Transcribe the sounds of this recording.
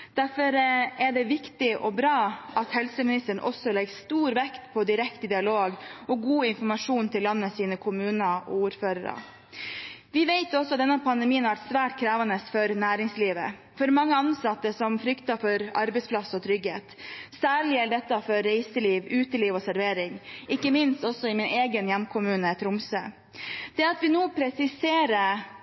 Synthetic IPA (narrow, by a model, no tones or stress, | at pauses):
d̪̥æɾfɔɾæɖɛʋɪkt̪ɪʔɔbɾɑːɑt̪hɛlsəmɪnɪst̪əɳ̩ʔɔ̰sɔlɛɡst̪uːɾʋɛkt̪pʰɔd̪ɪɾɛkt̪əd̪ɪɑloːɡɔɡuːɪnfɔmɑʂuːnt̪ʰɪlːɑnːəsiːnəkʰʊmʉːnɑɔ̰uːɾføːɾəɾə̰ | ʋɪʋeɪt̪ɔsɔɑt̪d̪ɛnːəpʰɑnd̪ɛmiːənhɑʋæʈsʋæːʈkʰɾæːʋɑnəsfɔɾnæːɾɪŋsliːʋə̰ | fɔɾmɑŋːəɑnsɑt̪ːəsɔmfɾʏkt̪ɑfɔɾɑɾbɛɪspʰlɑsɔt̪ʰɾʏɡheːt̪sæːɭɪæɖɛt̪ːɑfɔɾːeɪsəliːʋʉːt̪əliːʋɔsæɾʋeːɾɪŋʔɪkːəmɪnst̪ɔsːɔɪmɪneːɡənjɛmkʰʊmʉːnət̪ʰɾʊmsø̰ː | d̪̥ɛɑt̪ʋɪnoːpʰɾɛsɪseːɾə